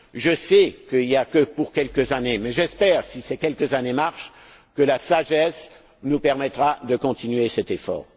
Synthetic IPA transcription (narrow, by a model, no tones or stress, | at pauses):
ʒəsɛkəiljakəpuʁkʲɛlkəzanemɛʒɛspɛːʁsisɛkʲɛlkəzanemaʁʃ | kəlasaʒɛs | nupɛʁmɛt̪χad̪əkɔ̃t̪ʰinɥesɛt̪efɔ̰ːʁ